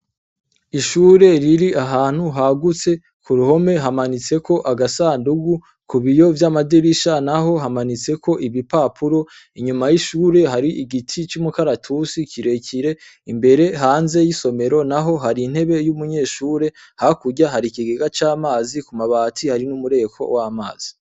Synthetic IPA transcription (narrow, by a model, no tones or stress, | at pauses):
iʃuːɾe̞ɾiɾiaɦaːn̥huɦaɡut͡se̞ | kuɾuho̞me̞ɦamanit͡se̞kʰo̞ʔaɡasaːnduɡu | kuβijo̞vjamadiɾiʃanaɦo̞ɦamanit͡se̞kʰo̞ʔiβipaːpʰuɾo̞ | iɲumajiʃuːɾe̞ɦaɾiʔiɡitʰit͡ʃumukaɾatʰusikiɾe̞cʰiɾe̞imbe̞ɾe̞ɦaːnze̞jiso̞me̞ɾo̞naɦo̞ɦaɾin̥he̞βe̞jumuɲe̞ːʃuːɾe̞ | hakuɟaɦaɾikiɡeɡat͡ʃaːmaːzikumaβaːtʰihaɾinumuɾe̞kʰo̞̰waːma̰ːz̥i̥